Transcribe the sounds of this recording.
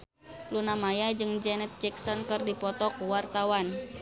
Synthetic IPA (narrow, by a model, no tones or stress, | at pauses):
lunamajad͡ʒɨŋd͡ʒɛnɛt̪̚d͡ʒɛksɔnkɨrdipɔt̪ɔkuwart̪awan